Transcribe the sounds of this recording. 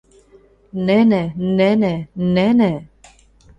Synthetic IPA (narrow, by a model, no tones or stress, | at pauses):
nɛnɛnɛnɛnɛnɛ